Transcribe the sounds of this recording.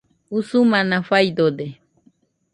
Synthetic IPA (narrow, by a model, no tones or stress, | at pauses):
usumãnãfajd̪od̪e